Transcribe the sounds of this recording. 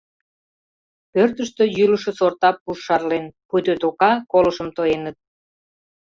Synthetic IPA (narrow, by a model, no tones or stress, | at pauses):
pørt̪əʃt̪øjyləʃĕsort̪ɑpːuʃːɑrlenpujt̪øt̪okɑkoləʃə̆mt̪oenət̪̚